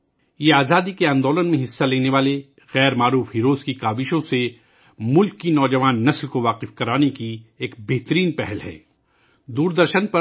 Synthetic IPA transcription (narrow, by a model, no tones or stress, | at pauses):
jeaːzaːd̪ikeãːnd̪oːlənmẽɦɪsːaleːneʋaːle | ɣɛːɾmaːɾuːfɦiːɾoːzkikaːbɪʃõse | mʊlkːinɔːd͡ʒɐʋaːnːɐslkoʋaːqɪfkɐɾaːnekieːkbeɦt̪əɾiːnpɛɦɛlɦɛ̰̃ː | d̪uːɾd̪əɾʃənpɐ